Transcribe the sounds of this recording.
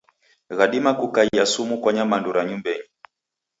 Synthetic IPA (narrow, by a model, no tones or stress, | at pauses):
ɣaɗimakukaiasumukwaɲamanduɾaɲumbɛɲi